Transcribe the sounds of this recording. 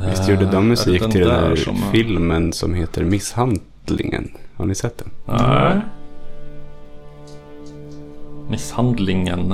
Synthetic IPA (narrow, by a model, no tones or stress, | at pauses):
vɪst̪juːɖəd̪ɔmːɵsiːkt̪ɪld̪ɛnæ̰ːɾfɪlmənsɔ̰mheːt̪ʰəɾmɪshan | lɪ̰ŋə̰nha̰ɳɪsɛt̪̚ːd̪ɛn | mɪshand̪lɪŋən